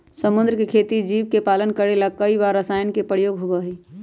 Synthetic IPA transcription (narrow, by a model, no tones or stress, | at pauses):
səmʊ̃nd̪ɾəkekʰeːt̪id͡ʒiʋkepalənkəɾelakəibaɾəsaːjənkepəɾjoːɡɦobəɦi